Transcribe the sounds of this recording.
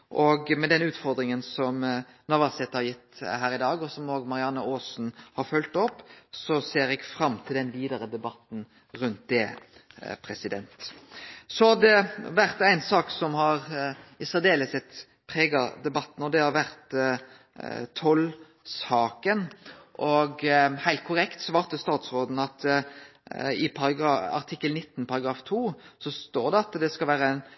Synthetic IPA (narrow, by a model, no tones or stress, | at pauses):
ʔɔɡmɛd̪ɛnʉːt̪fɔɾd̪ɾɪŋənsɔm | nɑʋɑsɛt̪hɑɾjɪt̪ːhæːɾɪd̪ɑːɡɔsɔmoːɡmɑɾɪɑnːəoːsn̩hɑɾfœlt̪ɔpːsɔseːɾɛɡfɾɑmt̪ʰɪld̪ɛnʋiːd̪əɾəd̪ɛbɑt̪ːn̩ | ɾʉnt̪̚d̪ɛ | pʰɾɛsɪd̪ɛnt̪ | sɔd̪ɛʋæʁt̪æɪnsɑːksɔmhɑɾɪsæːʁd̪eːləsɛt̪ | pʰɾeːɡɑd̪ɛbɑt̪ːn̩ɔd̪ɛhɑɾʋæʁt̪ | t̪ʰɔl | sɑːkənʔɔɡhæɪlt̪̚kʰʊɾɛkt̪sʋɑːɾt̪əst̪ɑːt̪sɾoːd̪n̩ɑt̪ | ɪpʰɑɾɑɡɑɑ̰ʁt̪ʰɪkːəlnɪt̪ːn̩pʰɑɾɑɡɾɑːft̪ʰuːsɔst̪oːɾd̪ɛɑt̪d̪ɛskɑlʋæːɾəæɪn